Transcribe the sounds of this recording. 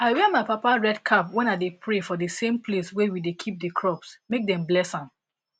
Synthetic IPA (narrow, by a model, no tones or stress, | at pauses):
aɪwɛmaɪpapaɹɛdkʰapwɛ̃nadepʰɹefɔdəsẽmpʰleswɛwidekʰip̚dəkʰɹɔpsmek̚dɛ̃mblɛsãn